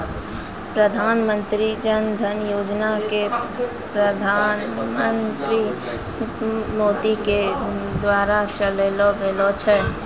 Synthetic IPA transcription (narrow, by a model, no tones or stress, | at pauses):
pɾəd̪ʱaːnmənt̪ɾid͡ʒənd̪ʱənjoːd͡ʒnake | pɾəd̪ʱanmənt̪ɾi | moːd̪iked̪waːɾat͡ʃəlelɔbelɔt͡ʃʰɛ